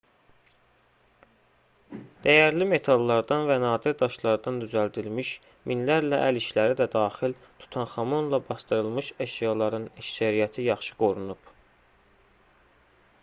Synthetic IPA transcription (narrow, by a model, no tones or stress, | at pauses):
d̪̥æjæɾlime̞t̪ʰɑlˠːɑɾd̪ɑnvænɑːd̪iɾd̪ɑʃlˠɑɾd̪ɑnd̪yzæld̪ilmiʃ | minlæɾlæʔæliʃlæɾid̪æd̪ɑːχil | t̪ʰu̥t̪ʰɑnχɑmo̞nlˠɑbɑst̪ɯɾɯlˠmɯʃæʃjɑlˠɑɾɯnæcsæɾijæt̪ʰijɑχʃɯ̥ɡo̞ɾunub̥